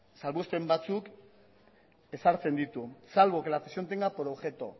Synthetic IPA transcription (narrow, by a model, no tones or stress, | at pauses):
salβust̪e̞mbat͡suk | e̞saɾt͡se̞nd̪it̪usalβokelafesio̞nt̪̬eŋɡapoɾoβxe̞t̪o